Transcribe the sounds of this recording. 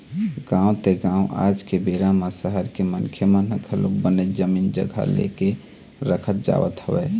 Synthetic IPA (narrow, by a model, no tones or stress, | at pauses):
ɡãũt̪eɡãũʔa̰d͡ʒkebeɾamasəɦəɾkemənkʰjəmənəkʰəlo̰k̚bəned͡ʒəmind͡ʒə̰ɡʱə̰lḛke | ɾəkʰət̪̚d͡ʒa̰ʋə̰t̪ɦəbɛ